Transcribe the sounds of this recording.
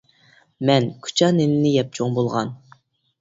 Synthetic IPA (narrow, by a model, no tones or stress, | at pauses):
mɛnkʲʰy̥t͡ʃʰɑnenɪnɪjɛp̚t͡ʃʰoŋbolˠʁɑ̰n